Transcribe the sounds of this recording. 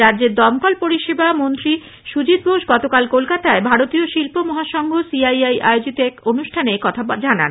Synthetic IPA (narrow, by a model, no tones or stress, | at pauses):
ɾadd͡ʑeɾd̪ɔmkɔlpoɾiʃebamont̪ɾi | ʃud͡ʑit̪̚bʱoʃɡɔt̪okalkolkat̪aebʱaɾot̪ioʃilpomɔɦaʃɔŋɡʱosiajajʔa̰eod͡ʑit̪oɛkonuʃʈʰanekɔt̪ʰad͡ʑana̰n